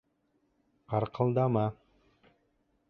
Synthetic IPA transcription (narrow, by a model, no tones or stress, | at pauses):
qʰɑɾqʰɤlˠd̪ɑmɑ